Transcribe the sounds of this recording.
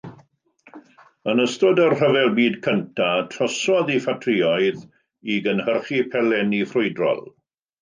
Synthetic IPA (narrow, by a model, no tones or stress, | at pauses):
ənəstɔdərr̥əvɛlˠbiːdkʰəntʰatʰrɔsɔðifatʰriɔjð | iɡənhərχipʰɛlɛniχrʊɨdrɔ̰lˠ